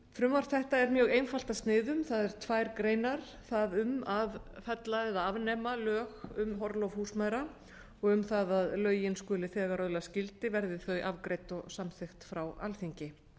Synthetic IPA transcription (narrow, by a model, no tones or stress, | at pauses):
fɾʏmvaɾ̥θɛht̪aɛɾmjœːɣejnfal̥t̪ast̪nɪːðʏmθaðɛɾ̥t̪ʰvaːjɾkɾeːjnaɾ̥ | θaðʏmavfɛt̪laɛðaavnɛːmalœːxʏmɦɔɾlowvhuːsmajɾa | ɔɣʏmθaðaðlœːɥjɪnskʏːlɪθɛːɣaɾœðlascɪlt̪ɪvɛɾðɪθœɥʔavkɾejt̪ɔɣsamθɪxt̪fɾawa̰lθiɲcɪ